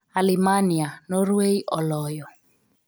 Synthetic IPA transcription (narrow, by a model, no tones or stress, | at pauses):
alimanianɔrweiʔɔlɔːjɔ